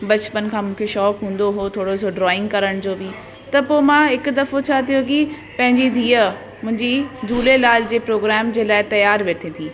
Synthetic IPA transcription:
bɐt͡ɕpənɪ̆kʰãːmũːkʰeʃɔːkɦũːn̆d̪oɦot̪ʰoːɽosoɖɾɔːɪ̃ŋɡkɐɾəɽ̃d͡ʑoːbɪ | t̪ɐpoːmãɦɪkʊd̪ɐfot͡ɕʰaːt̪ʰijoki | pɐ̃ɦɪ̃ɲd͡ʑid̪ʱiːə | mʊ̃ɦɪ̃ɲd͡ʑid͡ʑuːlelaːld͡ʑeːpɾoːɡɾɛːmd͡ʑeːlaːɪt̪ɐjaːɾʋeːt̪ʰẽːt̪ʰĩː

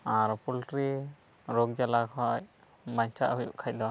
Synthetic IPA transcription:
aɾpulʈɾi | ɾɔɡd͡ʒalakʰɔj | maɲt͡ʃʰa̰ʔɦujṵʔkʰac̚d̪ɔ

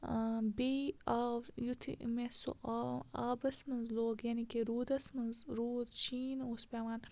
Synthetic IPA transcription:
biːaːjut̪ʰḭmeso̰ʔaaːbɐsmɐzloːɡjaːnikeɾuːd̪ɐsmɐzɾuːd̪t͡ʃiːnospeʋaːn

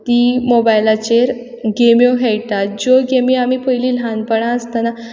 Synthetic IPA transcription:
t̪imobajlat͡ɕeɾ | ɡemjoɦɛjt̪at̪̚d͡zoɡemiamiːpəjliːlɦãnpəɳãəst̪ana

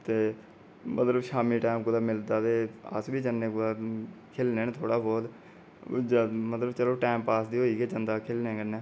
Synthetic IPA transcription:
t̪eː | mʔət̪ləbʃaːmiːʈaːmkʊd̪aːmɪld̪aːt̪eːa̰sbiːt͡ʃənːẽːkʊd̪aːkʰeːlnẽːnẽt̪ʰoːɽaːbɔːt̪ | d͡ʒmət̪ləbt͡ʃəloːʈaːmpaːsd̪iːoːiːkeːt͡ʃənd̪aːkʰelnẽːkənːẽː

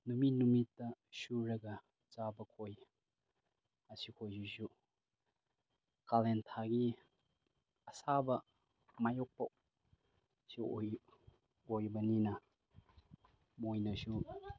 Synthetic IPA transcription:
numinumitːɐsuɾɐɡɐ | t͡ʃabɐkʰoj | ɐsikʰojsusu | kalentʰaɡi | ɐsabɐ | majok̚pɐ | si | ojbɐninɐ | mojnɐsu

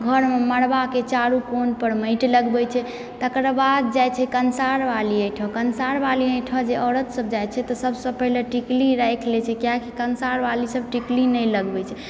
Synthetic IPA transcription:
ɡʱəɾmeməɽbaket͡ʃaɾukonpəɾməɪʈləɡbɛt͡ʃʰɛ | t̪əkɾbad̪̚d͡ʒajt͡ʃʰɛkənsaɾʋaliəjʈʰɔkənsaɾbaliəjʈʰɔd͡ʒeʔɔɾət̪səb̚d͡ʒajt͡ʃʰɛt̪ɔsəbsəbpəɦleʈikliɾajkʰlɛt͡ʃʰɛkjakikənsaɾʋalisəb̚ʈiklinəjləɡbɛt͡ʃʰɛ

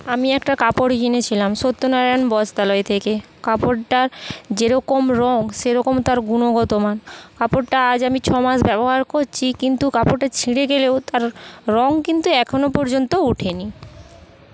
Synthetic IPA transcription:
amiɛkʈakapoɽkinet͡ɕʰilamʃot̪ːonaɾanbɔd͡ʑd̪alɔet̪ʰeke | kapoʈʈaɾd͡ʑeɾɔkomɾɔŋʃeɾɔkomt̪aɾɡunoɡɔt̪omankapoʈʈaad͡ʑamit͡ɕʰɔmaʃbɛboɦaɾkoɾt͡ɕʰikint̪ukapoɾʈat͡ɕʰiɽeɡelewt̪aɾːɔŋkint̪uɛkʰonopɔɾd͡ʑont̪ouʈʰeni

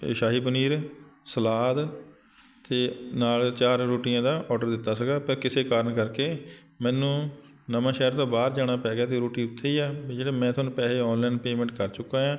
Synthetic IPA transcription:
ʃaːɦiːbəniːɾsəlaːd̪ | t̪eːnaːlt͡ʃaːɾːoːʈijãːd̪aːʔɔːɖəɾd̪ɪt̪ːaːsəɡaːpəɾkɪseːkaːɾəɳkəɾkeː | mɛ̃ːnũː | nəmãːʃɛːɾt̪õːbaːɾd͡ʒaːɽ̃aːpɛːɡaːt̪eːɾoːʈiːʊt̪ʰːeiːɛːd͡ʒeːɽeːmɛ̃ːt̪ʰʊnːpɛːleːɔːnlɛːnpeːmɛ̃ːɳʈkəɾt͡ʃʊkːãːãː

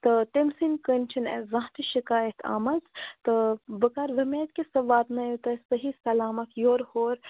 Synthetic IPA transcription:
t̪ɨt̪emsinkənʲt͡ʃʰinḛzãːɦt̪iʃikaːjɐt̪ʰa̰ːmɐzt̪ɨbəkaɾzɐmeːt̪kesɐʋaːt̪najut̪ɐsɐɦisɐlaːmɐkʰjoːɾhoːɾ

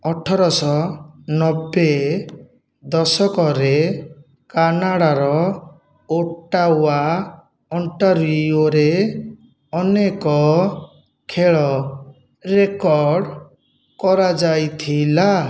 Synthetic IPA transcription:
ɔʈʰɔɾɔsɔnɔbe | d̪ɔsɔkɔɾe | kanaɽaɾɔ | oʈaɦua | ɔɳʈaɾioɾe | ɔnekɔ | kʰeɭɔ | ɾekɔɾɾɖ | kɔɾad͡ʒajt̪ʰila

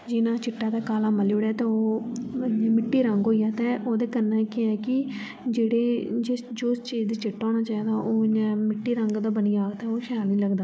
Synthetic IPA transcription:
d͡ʒɪnãːt͡ʃɪʈːaːd̪aːkaːlaːməluːɽɛːt̪eːoː | nɛ̃ːmɪʈːiːɾəŋɡɦoːijaːt̪ɛ̃ːʔoːd̪eːkənːãːkeɛːkɪ | d͡ʒeːɽeːd͡ʒɪsd͡ʒoːst͡ʃiːzd̪iːt͡ʃɪʈːɔ̃ːnaːt͡ʃaːiːd̪aːʔoːnɛ̃ːmɪʈːiːɾəŋɡd̪aːbəniːaːɡt̪ɛoːʃʰaːlĩːləɡd̪aː

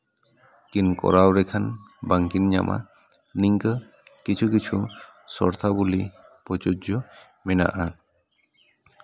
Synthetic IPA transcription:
kinkɔ̰ɾawɾɛkʰanbaŋkinɲa̰mʔa̰ | niŋɡə | kit͡ʃʰukit͡ʃʰusɔɾt̪ʰabuli | pɔd͡ʒod͡ʒɔ | mina̰ʔa

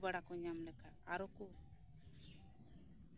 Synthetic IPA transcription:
baɽakɔɲamlɛkaaɾɔkɔ

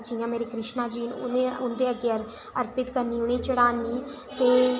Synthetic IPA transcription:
d͡ʒiːãːmeːɾeːkɾɪʃnaːd͡ʒiːnʊ̰neʊnd̪eːəɡeəɾ | əɾpɪt̪kəɾniːʊɳ̃eːt͡ʃəɽaːnːiː | t̪eː

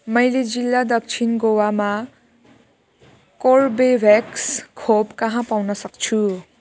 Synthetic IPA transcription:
mʌjled͡zilːad̪ʌk̚t͡sʰinɡowama | korbebʱekskʰobkʌɦãpawnʌsʌkt͡sʰu

